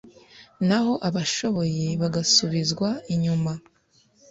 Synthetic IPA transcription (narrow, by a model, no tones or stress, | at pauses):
naɦo̞ʔaβaʃo̞βo̞je̞βaɡasuβizɡwaiɲuma